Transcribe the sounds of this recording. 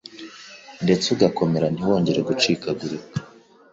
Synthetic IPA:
nde̞t͡suɡako̞me̞ɾan̥iwo̞ːɲɟe̞ɾe̞ɡut͡ʃiːkaɡuɾekḁ

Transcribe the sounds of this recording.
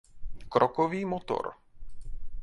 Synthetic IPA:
kɾɔkoviːmot̪o̰ɾ

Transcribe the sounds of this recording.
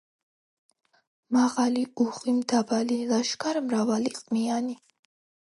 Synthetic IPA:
maʁaliuχimd̪abalilaʃkʰaɾmɾavaliqʼmiani

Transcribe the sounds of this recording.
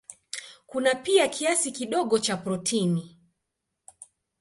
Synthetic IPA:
kunapiakʰiasikiɗɔɠɔt͡ʃapɾɔtʰini

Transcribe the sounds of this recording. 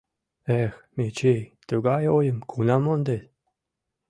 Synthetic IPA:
exmet͡ɕejt̪uɡɑjojə̆mkʰunɑmond̪et̪

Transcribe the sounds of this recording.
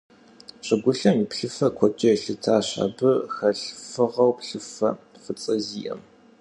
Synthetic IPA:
ɕʼɪɡʷʊɬɐmipɬɨfɐkʷʰɔt͡ʃʼɐjɬɨtʰaːɕɐ̰bɨxɐɬfɨʁɐwpɬɨfɐ̰ | fɨt͡sʼɐziːʔɐ̰m

